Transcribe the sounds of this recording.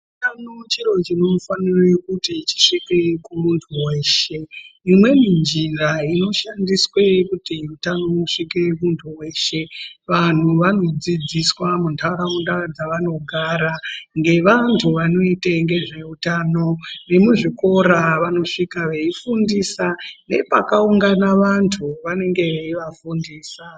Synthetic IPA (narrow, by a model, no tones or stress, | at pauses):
utanot͡ʃiro̞t͡ʃino̞faniroekutit͡ʃi̥ʂike̞kumuntʰuwe̞ːʃe̞imwe̞mind͡ʒinraino̞ʃandiswe̞kutiutano̞wuʂike̞muntʰuwe̞ːʃe̞ʋan̤uʋano̞d͡zid͡ziswamuntʰaɾaundad͡zaʋano̞ɡʱaɾaŋɡe̞ʋantʰuʋano̞iteŋɡe̞ʐe̞utano̞ne̞muʐiko̞ɾaʋano̞ʂikaʋe̞ifundisane̞̰pakauŋɡanaʋantʰuʋane̞ŋɡe̞ʋe̞iʋafundiːsa